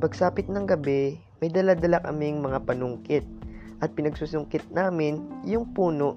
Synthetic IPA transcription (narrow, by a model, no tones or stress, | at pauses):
pɐɡsaːpɪt̪̚nɐŋɡɐbɛ | mɐjd̪ɐlad̪ɐlakɐmɪŋmɐŋapɐnʊŋkɪt̪̚ | ʔɐt̪̚pɪnɐɡ̚suːsʊŋkɪt̪̚naːmɪnjʊŋpuːnoʔ